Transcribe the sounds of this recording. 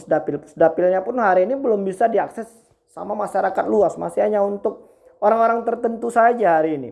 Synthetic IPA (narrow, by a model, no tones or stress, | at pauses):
sdapɪlpʊ̥sdapɪlɲapʊnɦaɾiːnibəlʊmbisadiaksɛsː | a̰mamaʃaɾakat̪̚luasma̰siɦaɲaunt̪ʊk̚ | oɾaŋoɾaŋt̪ərt̪ənt̪usad͡ʒahaɾiːnḭ